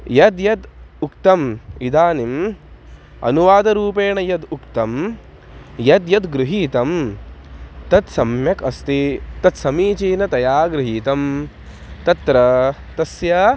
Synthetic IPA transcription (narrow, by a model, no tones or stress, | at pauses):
jɐd̪jɐd̪ukt̪ɐmid̪aːnim | ɐ̰nuʋaːd̪ɐɾuːpeːɳɐjɐd̪ukt̪ɐm | jɐd̪jɐd̪ɡɾuɦiːt̪ɐm | t̪ɐt̪sɐmjɐkɐst̪it̪ɐt̪sɐmiːt͡ʃiːnɐt̪ɐjaːɡɾɪɦiːt̪ɐm | t̪ɐt̪ɾɐ | t̪ɐsjɐ